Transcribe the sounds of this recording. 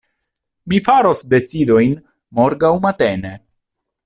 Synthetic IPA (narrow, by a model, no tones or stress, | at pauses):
mifaɾo̞sde̞t͡sido̞jn | mo̞ɾɡawmat̪e̞ne̞